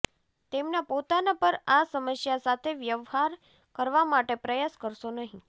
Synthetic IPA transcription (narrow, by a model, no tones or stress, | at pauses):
t̪emnapot̪anapəɾasəməsjasat̪ʰeʋjəʋɦaɾ | kəɾʋamaʈepɾəjaskəɾʃonəɦĩ